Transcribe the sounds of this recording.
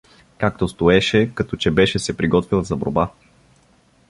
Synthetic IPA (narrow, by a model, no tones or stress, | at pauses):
kak̚t̪ost̪oɛʃɛkɐt̪ɔt͡ʃɛbɛʃɛsɛpɾiɡɔt̪vilˠzɐbo̰ɾba